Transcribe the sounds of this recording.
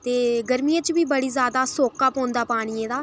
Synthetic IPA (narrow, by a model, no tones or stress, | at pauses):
t̪eːɡəɾmijãːt͡ʃʋiːbəɽiːzjaːd̪aːsoːkaːpɔ̃ːnd̪aːpaːɽ̃ɪjẽːd̪aː